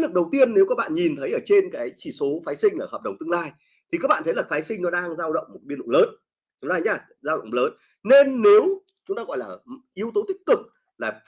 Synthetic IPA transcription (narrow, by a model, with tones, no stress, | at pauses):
lɨ˨˩k̚ɗə˨˩wt̪i˧ənːe˨˦wkaː˦˥k̚ɓa̰ː˧˨nɲi˨˩nt̪ʰə˨˦jʔəː˧˩t͡ɕe˧nkaː˨˦jt͡ɕi˧˩so˨˦faː˨˦jsï˧ŋ̟ʔəː˧˩həː˨˩p̚ɗə˨˩wŋ͡mt̪ɨ˧ŋlaː˧j | t̪ʰi˨˩kaː˦˥k̚ɓ̰aː˧˨nt̪ə˨˦jlaː˨˩faː˨˦jsï˧ŋ̟nɔ˨˦ɗaː˧ŋzaː˧wɗə̰˧˨wŋ͡mmo˨˩t̚ɓi˧əɗʊ̰˧˨ŋ͡mləː˨˦n˨˦ | ŋ͡mlaː˧˩jɲaː˧˩ | zaː˧wɗə̰˧˨ŋ͡mləː˨˦n | ne˧nːe˨˦w | t͡ɕʊ˨˦ŋ͡mt̪aː˧ɣɔ̰˧˨jlaː˨˩ʔi˨˧əwt̪o˨˦t̪ï˦˥k̚kɨ˨˩k̚ | laː˨˩